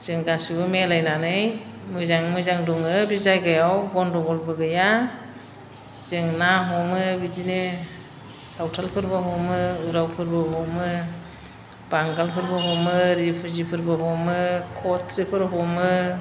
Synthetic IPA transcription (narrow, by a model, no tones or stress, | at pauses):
z̥ɯŋɡasubɯmelajnanɯj | mɯzaŋmɯzaŋduŋɯbizajɡajawɡɔndɔɡɔlbɯɡɯja | z̥ɯŋnaɦɔmɯbidine | sawtʰalpʰɯɾbɯɦɔmɯuɾawpʰɯɾbɯɦɔmɯ | b̥aŋɡalpʰɯɾbɯɦɔmɯɾipʰɯzipʰɯɾbɯɦɔmɯkʰɔtʰɾipʰɯɾɦɔmɯ